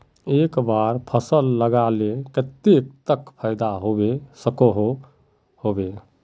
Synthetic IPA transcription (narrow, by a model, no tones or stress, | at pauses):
ekbaɾpʰəsəlːəɡalekət̪ek̚t̪əkpʰəɪd̪aɦobesəkoɦo | hobe